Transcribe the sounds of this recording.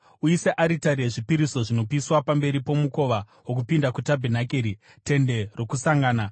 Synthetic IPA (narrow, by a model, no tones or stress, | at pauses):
uiseʔaɾitaɾeʐipiɾiso̞ʐino̞piswapambe̞ɾipo̞muko̞ʋa | ɦokupindakutabʱenakeːɾi | te̞nde̞ro̞kusaŋɡaːna